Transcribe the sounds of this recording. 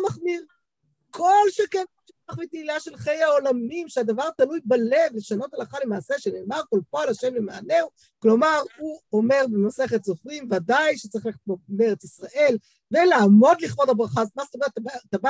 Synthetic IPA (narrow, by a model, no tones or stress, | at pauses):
maχmiʁ | kʰo̞lʃeken | ʃiaχmit̪ilaʃe̞lχejaolamimʃead̪avaʁt̪alujbale̞vleʃano̞t̪alaχale̞maːse̞ʃeneːmaʁkolpoalaʃe̞mlemaane̞w | klo̞maʁhuome̞ʁbemase̞χet̪z̥ofʁimvad̪ajʃe̥t͡saʁi̥χlebomeʁet͡sisʁaʔe̞l | velaːmo̞d̪liχbo̞dabʁaχazmast̪ometabat̪aba